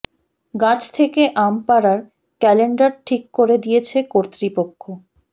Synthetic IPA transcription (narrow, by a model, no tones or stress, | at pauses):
ɡãt͡ɕʰt̪ʰekeʔampaɾaɾ | kɛleɳɖaɾʈʰikːoɾed̪ijet͡ɕʰekoɾt̪ɾipokʰːo